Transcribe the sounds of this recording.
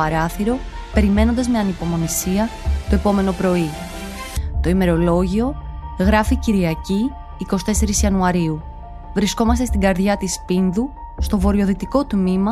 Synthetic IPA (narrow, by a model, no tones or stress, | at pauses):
ɐɾɐθiɾo̞ | pe̞ɾime̞no̞nd̪ɐzme̞ɐnipo̞mo̞nisiɐt̪oe̞po̞me̞no̞pɾo̞i | t̪o̞ime̞ɾo̞lo̞ʝio̞ɣɾɐficiɾiɐciː | ko̞si̥t̪e̞se̞ɾisiɐnuɐɾiu | vɾisko̞mɐst̪est̪iŋɡɐɾðʝɐt̪ispinðu | st̪o̞vo̞ɾio̞ðit̪iko̞t̪mimɐ